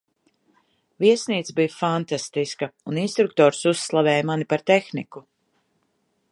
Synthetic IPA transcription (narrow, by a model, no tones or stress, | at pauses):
viɛsniːt̪sbijufant̪ast̪iskɐuninst̪ɾuk̚t̪ɔːɾsusːlˠavɛːjmanipaɾt̪exniku